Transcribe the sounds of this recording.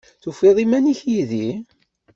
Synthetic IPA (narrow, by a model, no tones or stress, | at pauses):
θufeðˤimæniçjiði